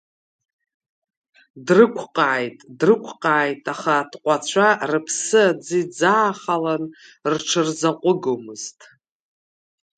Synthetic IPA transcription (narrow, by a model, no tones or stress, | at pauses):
drɨkʷʰqʼaːjtʼdrɨkʷʰqʼaːjtʼaχadqʷʼat͡ɕʷʰarɨpʰsɨad͡zid͡zaːχalanrʈ͡ʂʰɨrzaqʷʼʊɡomɨztʼ